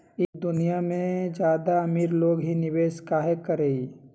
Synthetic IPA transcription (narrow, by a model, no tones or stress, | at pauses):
ɪd̪ʊnijamẽd͡ʒjaːd̪aɐmiːɾloːɡɦinɪʋeːʃkaːɦekəɾeːi